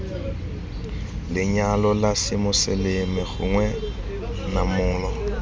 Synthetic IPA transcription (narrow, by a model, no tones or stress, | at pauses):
lɪɲalɔlasɪmʊselemɪɣʊ̰ŋwɛ | namʊːlɔ